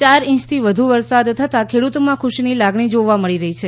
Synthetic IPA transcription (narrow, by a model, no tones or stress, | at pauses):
t͡ʃaɾĩt͡ʃt̪ʰiʋəd̪ʱuʋəɾsad̪t̪ʰət̪akʰeɽut̪omãkʰuʃinilaɡɳid͡ʒoʋaməɭiɾəɦit͡ʃʰe